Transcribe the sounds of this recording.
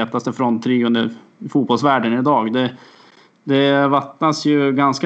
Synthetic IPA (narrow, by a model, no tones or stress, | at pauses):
eːt̪ast̪əfɾɔnt̪ʰːɾiːɵnd̪əɾ | fuːt̪bɔlsvæːɖənɪd̪ɑːɡd̪ɛ | d̪ɛvat̪nasjɵɡansk